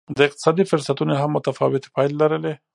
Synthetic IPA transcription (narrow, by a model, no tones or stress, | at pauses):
d̪əɪq̚t̪ɪ̥sɑd̪ifʊɾsat̪unoɦamːʊt̪afɑwɪt̪e̥pɑjlːaɾəle